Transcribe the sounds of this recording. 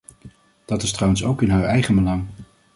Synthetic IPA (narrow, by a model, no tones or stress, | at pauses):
d̥ɑtɪstrɑwənso̰wkɪnɦəɹʔɛjχənbəlɑŋ